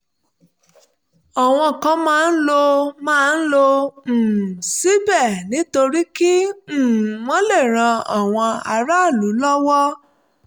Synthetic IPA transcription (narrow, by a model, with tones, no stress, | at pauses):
ɔ˨w̃ɔ̃˧kã˧mãː˦˧n̩˦lo˧mãː˦˧n̩˦lo˧˨ | si˦bɛ˦˨nĩ˨˦to˧ɾi˦ki˦˨ | wɔ̃˦le˦˨ɾ̃ã˧a˨w̃ɔ̃˧a˧ɾa˦˨lu˨˦lɔ˦wɔ˦